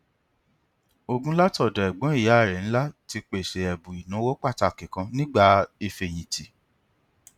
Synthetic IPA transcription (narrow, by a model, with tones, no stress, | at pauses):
o˧ɡũ˦la˦tɔ˦˨dɔ˨ɛ˨ɡ͡bɔ̃˨˦i˦˨ja˨˦a˦˨ɾɛ˨ñ̩˦la˦ti˧k͡pe˨ʃe˨ɛ˨bũ˨i˨nũ˨˦wo˦k͡pa˦˨ta˧˨kĩ˨kã˧nĩ˦ɡ͡ba˦˨i˧fe˨j̃ĩ˨ti˨